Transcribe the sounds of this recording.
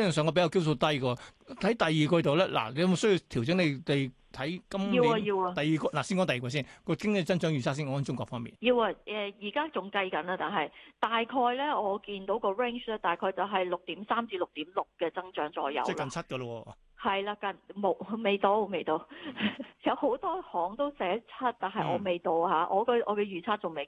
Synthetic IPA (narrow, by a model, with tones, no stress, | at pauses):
sœː˨˧ŋkɔː˧e˧˥jɐ˨˧wke˥wso˧t̪ɐ˥jkə˧t̪ʰɐ˨˥jt̪ɐ˨jːiː˨˩kɔː˧jt̪̬o˨wlɛː˥lʔa̰ː˨˩ne˨˧jmo˨˧sɵ˥ji˧wt̪ʰi˨˩wt͡sɪ˨˥ŋne˨˧jle˨˧j | t̪ʰɐ˨˥jkɐ˥miː˧wa˧jiː˧wa˧t̪ɐ˨jiː˨kʷɔ˧la˨˩siː˥nkɔː˨˥ŋt̪ɐ˨ji˨kwɔː˧s̬iː˥nkɔː˧kɪ˥ŋe˧t͡sɐ˥nt͡ʃœː˨˥ŋjyː˨˩saː˥siː˥nkɔː˨˥˨t͡ʃʊ˥ŋkɔː˧˩fɔː˥ŋmḭ˨˩njiː˧wa˧ʔɛː˨jiː˨˩kaː˥t͡sʊ˨ŋkɐ˧jkɐ˨˥naː˧t̪aː˨˩nɦɐ˨jt̪aː˨jkʰɔː˧jlɛː˥ɔː˨˧kiː˧nt̪o˨˥wkɔː˧ɹɛ˥ŋt͡ʃlɛː˥t̪aː˨jkʰɔː˧jt͡sɐ˨wɦɐ˨jlʊ˨k̚t̪iː˨˥msaː˥mt͡siː˧lʊ˨k̚t̪iː˨˥mlʊ˨k̚kɛː˧t͡sɐ˥ŋt͡ʃœː˨˥ŋt͡sɔː˨˧jːɐ̰˨˧wkɐ˨nt͡sʰɐ˥t̚kɐ˧wɔ˧˨ | hɐ˨jlaː˧kɐ˨˩nmo˨˩wme˨˩jt̪o˧˥wme˨˩jt̪o˧w | jɐ˨˧who˨˥wt̪ɔː˥hɔː˨˥ŋt̪o˥wsɛː˨˥t͡sʰɐ˥t̚t̪aː˨˩nɦɐ˨jʔɔ̰ː˨˧me˨jt̪o˧whaː˨˥ʔɔː˨˧kɔ˧ʔɔ̰ː˨˧kɛ˧jyː˨˩t͡sʰaː˥t̚t͡sʊ˨ŋme˨˩